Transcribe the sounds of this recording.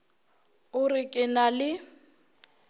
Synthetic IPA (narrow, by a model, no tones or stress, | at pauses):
ʊrɪkʼɪnalɪ